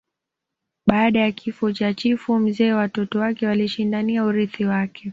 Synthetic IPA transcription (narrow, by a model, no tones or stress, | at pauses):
ɓaːɗajakʰifɔt͡ʃat͡ʃifum̩zɛːwatɔtɔwakɛwaliʃindaniauɾiθiwakʰɛ